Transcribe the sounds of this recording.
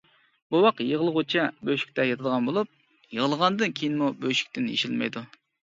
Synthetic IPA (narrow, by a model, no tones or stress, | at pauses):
buwɑqjəʁəlˠʁʊt͡ʃʰɛbøjʃi̥k̚ʲt̪ɛjɑt̪ʰɨd̪əʁɑnbolˠup̚ | jəʁəlˠəʁɑnd̪ɨnkʲʰeijinmubøjʃy̥k̚ʲt̪ɪnḭʃilmɛ̰jd̪u